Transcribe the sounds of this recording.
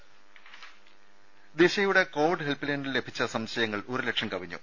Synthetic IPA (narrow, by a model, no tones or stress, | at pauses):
d̪eɕɐjuɽe̞ko̞ːʋiɖɦelpːɨlɐenillːe̞bʱit͡ɕːɐsɐmɕɐjɐŋːɐɭorile̞kʈʂɐmkɐʋiɲːṵ